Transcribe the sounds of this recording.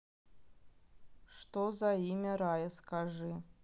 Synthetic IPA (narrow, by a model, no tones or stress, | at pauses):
ʂt̪ozaimʲɐɾajɐskaʐɨ